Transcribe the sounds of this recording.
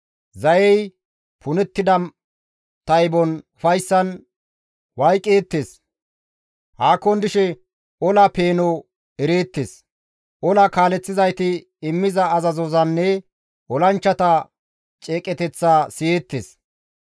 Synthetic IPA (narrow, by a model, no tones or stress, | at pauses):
zɐjɛj | pʰʊnɛt̪ːɪd̪ɐ | t̪ɐjbɔnʊfɐjsːɐn | wɐjkʼːeːt̪ːeːs | haːkːɔnd̪ɪʃɛ | ʔɔlɐpe̞ːnɔ | ɛɾeːt̪ːes | ʔɔlɐkaːlɛt͡sːɪzɐjt̪ɪː | mːɪzɐːzɐzɔzɐnːɛ | ʔɔlɐnt͡ʃːɐt̪ɐ | t͡ʃʼeːkʼɛt̪ɛt͡sːaːsɪjeːt̪ːes